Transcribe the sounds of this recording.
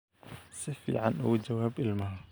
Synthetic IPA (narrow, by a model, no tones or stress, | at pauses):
sɪfḭʕanʔa̰wd͡ʒawaːbʔɪlmaha